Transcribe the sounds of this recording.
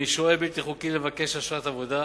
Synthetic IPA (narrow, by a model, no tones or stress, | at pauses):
iʃoebit̪iχukilevake̞ʃaʃat̪avod̪a